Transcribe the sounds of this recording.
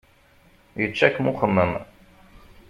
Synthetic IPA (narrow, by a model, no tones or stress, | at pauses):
jət͡ʃːækmuχənːən